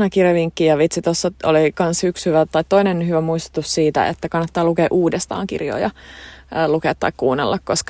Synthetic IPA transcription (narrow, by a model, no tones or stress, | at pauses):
nɑkirjɑʋiŋkːijɑʋit̪sit̪osːɑo̰likɑnshykshyʋæt̪ɑit̪toinenhyʋæmuist̪u̥t̪ussiːt̪æ̰ḛt̪ːækɑnːɑt̪ːɑːlukeːʔuːdest̪ɑ̰ːŋkḭrjo̰ːjɑː | lukeːt̪ːɑ̰ikkuːnːelːɑkkosk